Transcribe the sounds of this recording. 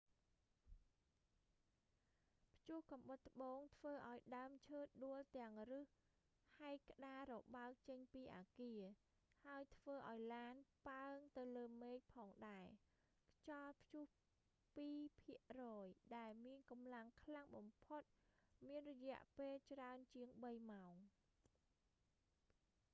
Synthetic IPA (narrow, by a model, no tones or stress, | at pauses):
pʰjuəhkɑmɓət̪ːə̆ɓoːŋt̪ʰʋəːʔaɔjɗaəmt͡ɕʰəːt̪̚ɗuəlt̪ɛ̆əŋrɨh | haɛkːə̆ɗaːɾɔɓaək̚t͡ɕəɲpiːʔaːkiə | haəjt̪ʰʋəːʔaɔjlaːnpaəŋt̪ɨwləːmeːc̚pʰɑːŋɗaɛ | kʰt͡ɕɑlpʰjuh | piːpʰiəʔrɔːjɗaɛlmiənkɑmlaŋkʰlaŋɓɑmpʰot̪̚miənrɔjɛ̆əʔpeːlt͡ɕraənt͡ɕiəŋɓəjmaoŋ